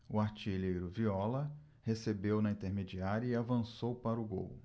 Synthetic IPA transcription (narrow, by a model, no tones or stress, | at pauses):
ʊaɾt͡ʃiʎejɾʊviɔlɐ | hesebewnɐĩt̪eɾmed͡ʒiaɾɐiavɐ̃sowpaɾʊɡo̰w